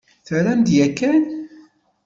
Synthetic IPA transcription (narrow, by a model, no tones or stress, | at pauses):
θəɾænd̪jækːæn